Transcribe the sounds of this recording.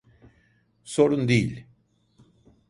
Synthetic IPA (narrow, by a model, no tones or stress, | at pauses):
so̞ɾund̪ejilʲ